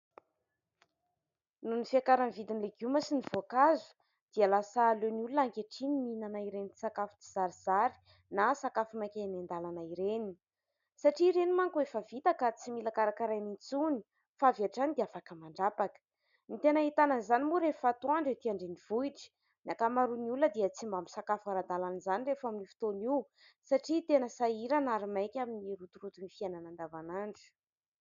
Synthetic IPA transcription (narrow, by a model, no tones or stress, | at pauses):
nunifiakaɾanvid̪inileɡuməsinivoakazu̥ | d̪̥ialasaːleniulunaŋkeʈ͡ʂiniminanaiɾenit̪i̥sakafu̥t͡siz̥aɾiz̥aɾi̥ | nasakafumakʲanand̪alanaiɾeni | saʈ͡ʂiːɾenimaŋkuefəvit̪akat͡similakaɾakaɾajnint͡suni̥ | faviaʈ͡ʂanid̪eafakəmaɳɖ͡ʐapakə̥ | nit̪enait̪anənzanimuɾefat̪uaɳɖ͡ʐet̪iaɳɖ͡ʐenivuiʈ͡ʂi̥ | nakamaɾuniuləd̪iət͡simbambisakafaɾad̪alanizanirefaminifi̥t̪oni | saʈ͡ʂit̪enəsaiɾanaɾimajkʲaminiɾut̪uɾut̪unifiananand̪avanaɳɖ͡ʐi̥